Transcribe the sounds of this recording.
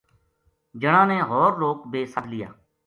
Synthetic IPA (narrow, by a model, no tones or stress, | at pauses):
d͡ʒəɽãːneːɦɔːɾloːkbeːsəd̪lɪja̰ː